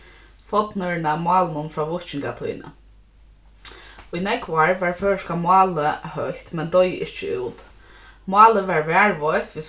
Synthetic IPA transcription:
fɔt̪nʏɹɳamɑːlnʊnfɹaːʋɔʊht͡ʃɪŋkat̪ʰṵjnə̰ | ʊjnɛkʋaɹʋɛɹfœːɹʂkamʊɑːləhœht̪mɛnd̪ɔjʔɪ̰ht͡ʃəṵːt̪ | mʊɑːləʋɛɹʋɛːɹʋɔjht̪ʋiː

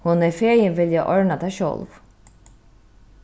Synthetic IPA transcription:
hʊnɛfeːjɪnvɪljaʔɔɹnat̪ʰɛʃɔ̰lv

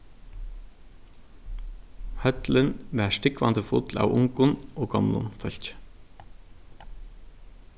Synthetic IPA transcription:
hœt̪lənʋæːʃtɪkʋɑ̰nd̪əfʊ̰ːt̪lʔɑ̰ːʋʊŋɡʊnoːɡɑmlʊ̰nfœçc͡ç

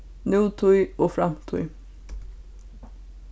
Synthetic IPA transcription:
nʉːt̪ʰʊʏoːfɾɑmt̪ʰʊ̰ʏ

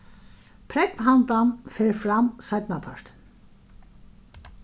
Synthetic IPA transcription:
pʰɾɛkmɦant̪anfɛːɾfɾamsajt̪napʰaɹ̥t̪

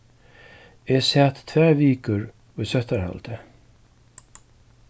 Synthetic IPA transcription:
ɛsaːt̪t̪ʰvɛːviːkʏɾ | ujsœht̪aɾha̰lt̪ɪ

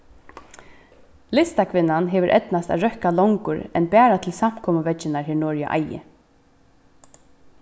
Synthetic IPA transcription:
lɪst̪akʰʋɪnːanɦɛːʋɪɾʔɛ̰t̪nast̪a̰ðɾœhkalɔwŋkʊɾɛnpɛːɾat̪ʰɪlsam̥kʰɔːməʋɛt͡ʃːɪnaɹɦɪːnɔːɹja̰ʔa̰jɪ̰

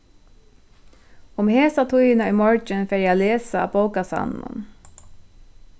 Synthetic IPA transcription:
ʊmheːsat̪ʰʊjɪnaʏmɔɹt͡ʃənfeːɹjɛaleːsa̰ːboʊkasɑ̰nːʊ̰n

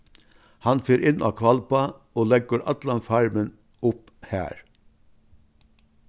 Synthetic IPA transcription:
hɑnfeːɾʔɪnʔɑ̰ːkʰʋɑlpɑʔoːlɛɡəɾʔɑ̰t̪lɑnfɑɹmən | ʊp | hæ̰ːɹ

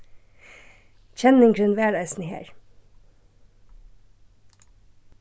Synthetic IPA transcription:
c͡çʰɛnɪŋɡɾʉnʋæːɹæɪsn̩hḛːɹ

